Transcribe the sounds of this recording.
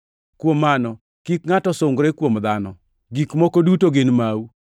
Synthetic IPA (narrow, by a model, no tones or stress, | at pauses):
kwomːanɔ | kikŋatɔsoŋɡɾekwomd̪anɔ | ɡikmɔkodutoɡɪnmawu